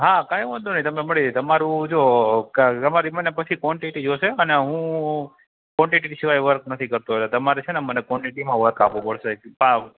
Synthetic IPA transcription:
ɦakãj̃ʋənd̪unəĩt̪əmneməɭid̪et̪əmaɾũd͡ʒokəmaɾimənepət͡ʃʰikʋɔɳʈiʈid͡ʒoʃeəneɦũ | kʋɔ̃ɳʈiʈisiʋajʋəɾk̚nət̪ʰikəɾt̪uɦojt̪at̪əmaɾet͡ʃʰenemənekʋɔɳʈiʈimãʋəɾkapʋũpəɽʃepã

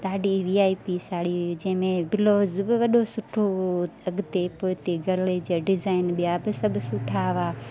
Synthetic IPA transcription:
ɗaːɖiʋiːaːipisaːɽid͡ʑɐ̃ɦɪ̃mẽbɪloːzbɪʋɐɗosʊʈʰoɐɡt̪epoːɦɪt̪eɡʱɐɾled͡ʑaːɖɪzaːɪnɓijabɪsɐbʱsʊʈʰaːʋaː

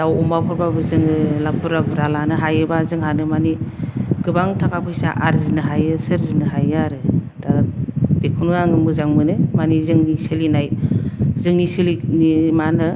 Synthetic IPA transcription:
dawɔmapʰɯɾbabɯzɯŋɯlabɯɾabɯɾalanɯɦajɯbazɯŋɦanɯmaniɡ̥ɯbaŋtʰakapʰɯjsa̰ʔaɾzinɯɦajɯsɯɾzinɯɦajaɾɯd̥abekʰunɯaŋɯmɯzaŋmɯnɯmanizɯŋnisɯlinajzɯŋnisɯlinimanɯ

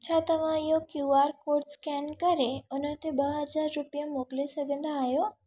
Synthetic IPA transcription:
t͡ɕʰat̪ɐʋ̤ãijokjuaːɾkoːɾɖskɛnkɐɾeʊnət̪ebəɦəd͡zaɾːupijəmoklesɐɡʱə̃nd̪aːɦjo

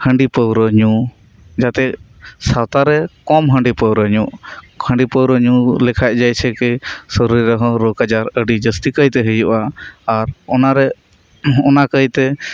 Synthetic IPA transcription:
həɳɖipəwɾəɲu | d͡ʒat̪ɛʔ | sat̪aɾɛkɔmɦəɳɖipəwɾəɲuʔ | hə̃ɳɖipəwɾəɲulɛkʰac̪̚ˀd͡ʒajsʰɛkɛsɔɾɾiɾɔɦɔ̃ɾɔkad͡ʒaɾəɖid͡ʒəst̪ikəjt̪ɛɦəjuʔaːɾɔnaɾɛ | ɔnakəjt̪ɛ

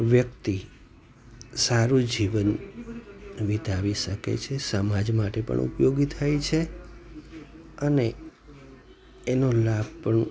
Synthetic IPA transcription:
ʋjək̚t̪i | saɾũd͡ʒiʋən | ʋit̪aʋiʃəkḛt͡ʃʰesəmad͡ʒmaʈepə̰ɳṵpjoɡit̪ʰajt͡ʃʰe | əne | nolab̚ʱpəɳ

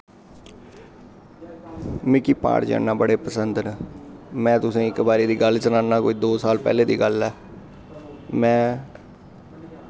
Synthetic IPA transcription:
mɪkiːpa̰ːɽd͡ʒa̰ːnːaːbəɽeːpəsənd̪nəmɛ̃ːt̪ʊsẽːɪkbaːɾiːd̪iːɡəlsənãːnːaːkoːiːd̪oːsaːlpɛ̰ːleːd̪ḭːɡəlɛː | mɛ̃ː

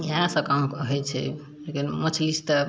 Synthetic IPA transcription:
jasəkamkəɦɛt͡ʃʰɛ̰ | lekinmət͡ʃʰist̪ə

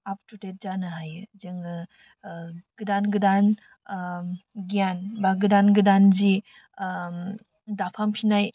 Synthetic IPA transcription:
ap̚tutet̚zanɯɦajzɯŋɯ | ɡ̥ɯdanɡɯdan | ɡijanbaɡɯdanɡɯdanzi | dapʰampʰinaj

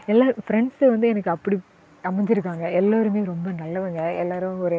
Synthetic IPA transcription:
ɛlːaːfɾɛɳɖsʋɐnd̪ɯɛnɐkːɯɐpːɐɽi | ɐmɐɪɲd͡ʒɪɾɯkːaːŋɡɐɛlːaːɾɯmeːjɾɔmbɐnɐlːɐʋɐŋɡɐɛlːaːɾɯɔɾɯ

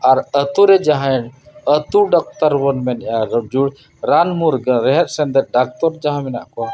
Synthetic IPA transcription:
aɾət̪uɾɛd͡ʒaɦãɛɽət̪uɖɔk̚t̪aɾbɔnmɛnʔjad͡ʒuɽ | ɾanmuɾɡɾɛɦɛt̪̚sɛnd̪ɛt̪̚ˀɖak̚t̪ɔɾd͡ʒaɦãmɛna̰ʔkɔ

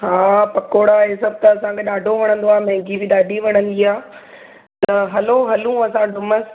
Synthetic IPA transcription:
ɦaːpɐkoːɽaɦeːsɐb̚t̪ɐːsãkʰeɗaːɖʱoʋɐɽ̃ə̃n̆d̪oaːɦmɐ̃ɪ̃ɡibɪɗaːɖʱiʋɐɽ̃ə̃nd̪iaː | t̪ɐɦɐloɦɐlũɐsãɖʊməs

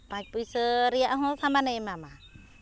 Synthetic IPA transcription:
pat͡ʃ̚puisəɾiaʔɦɔsamanemama

